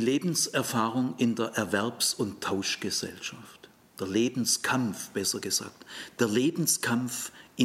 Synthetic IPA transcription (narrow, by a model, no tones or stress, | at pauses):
iːleːbn̩sɛɐfaːʁʊŋɪndeːɐʔɛɐvɛɐpsʊntʰːaʊʃɡ̥əzɛ̰lʃaft | d̥eːɐleːbn̩skʰamfb̥ɛsɐɡ̥əz̥a̰ːk̚td̥eːɐleːbn̩skʰamfʔɪ